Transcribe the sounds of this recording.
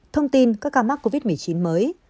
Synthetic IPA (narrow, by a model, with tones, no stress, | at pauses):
t̪ʰə˧wŋ͡mt̪i˧nkaː˦˥kːaː˧ma˦˥k̚ko˧vi˦˥t̚mɨ˨˩əjt͡ɕi˨˦nməː˨˦j